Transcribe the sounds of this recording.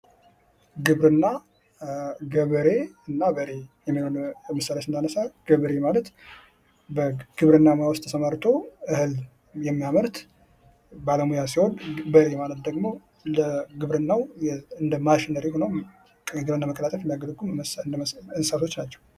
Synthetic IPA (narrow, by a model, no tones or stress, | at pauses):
ɡɨβɾɨnːa | ɡəβəɾe̞ɨnːabəɾe̞jɛmːihonməsaɾəsɨnd̪anəsaɡ̥əβɾe̞malət̪ | bəɡ̥ɨβɾɨnːamawɔst̪ʰəsəmaɾt̪ʰo̞ʔɨhɨl | jɛmːijaməɾt̪ | baləmujasihonbəɾe̞malət̪d̪əɡmo̞ | ləɡɨβɾɨnːawɨnd̪əmaʃɪnəɾeho̞nəwʼ | ɡɨɾɨnːaməkʼəlat̪ʼəfjɛnd̪aɡəd̪əɡum | ɨnsat̪ʰo̞t͡ʃːnat͡ʃːɛw